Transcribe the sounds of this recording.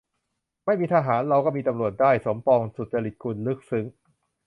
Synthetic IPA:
ma˥˩jmiː˧t̪ʰaː˧ɦaː˩˦nɾa˧wkɔː˥˩miː˧t̪a˧mɾu˨˩ət̪̚daː˥˩jso˩˦mpɔː˧ŋsu˨˩t͡ɕa˧ɾi˨˩t̪̚kʰu˧nlɯ˦˥˩k̚sɯ˦˥ŋ

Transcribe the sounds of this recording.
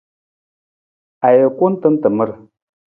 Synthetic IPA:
a˨jə˨ku˦n˦tə˦n˦tə˨mə˦ɾ

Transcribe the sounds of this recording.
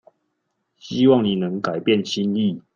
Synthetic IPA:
ɕi˦wɑ˥˨ŋni˨˩nə˨˦ŋka˨˩ɪpjɛ˥˨nɕi˦nli˥˨

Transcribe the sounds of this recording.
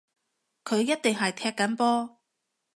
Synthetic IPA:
kʰɵ˨˧ɥjɐ˥t̚t̪ɪ˨ŋɦɐ˨jt̪ʰɛː˧kːɐ˨˥npɔː˥

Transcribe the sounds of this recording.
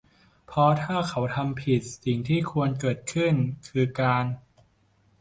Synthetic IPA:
pʰɔ˦˥t̪ʰaː˥˩kʰa˩˦wt̪ʰa˧mpʰi˨˩t̪̚si˨˩ŋt̪ʰiː˥˩kʰu˧ənkɤː˨˩t̪̚kʰɯ˥˩nkʰɯː˧kaː˧n

